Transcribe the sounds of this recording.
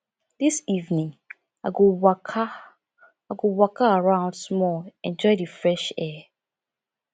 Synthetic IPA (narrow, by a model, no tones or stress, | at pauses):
disivnĩŋ | aɡu | aɡuwakʰaaɹãʊ̃ndsmɔɛ̃nd͡ʒɔɪdɨfɹɛʃɛ